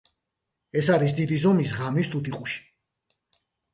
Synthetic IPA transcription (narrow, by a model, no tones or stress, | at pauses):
ɛsaɾis̬d̪id̪izɔmisʁamist̪ʰut̪iqʼuʃi̥